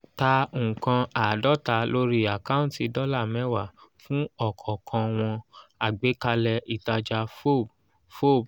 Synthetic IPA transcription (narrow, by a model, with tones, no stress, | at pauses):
ta˧u˨kã˧a˨dɔ˦ta˧lo˦ɾi˦a˨ka˦ũ˦˨ti˧dɔ˦la˦˨mɛ̃˦wa˦˨fũ˦ɔ˦˨kʰɔ˨kʰã˧w̃ɔ̃˧a˨ɡ͡be˨˦ka˧lɛ˧ʔi˨ta˧d͡ʒa˧fo˦˨b | fo˦˨b